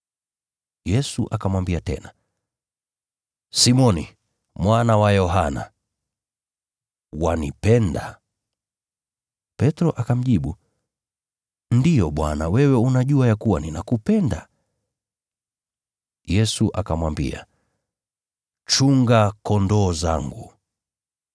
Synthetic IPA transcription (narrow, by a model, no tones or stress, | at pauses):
jɛsuʔakamwambiatɛ̰na | simɔni | mwanawajɔɦana̰ | wanipɛnda̰ | pɛtɾɔʔakam̩ʄiɓu | ndijɔɓwa̰nawɛwɛunaʄuajakuwaninakupɛnda | jɛsuʔakamwambḭa̰ | t͡ʃuŋɡakɔndɔːza̰ŋɡu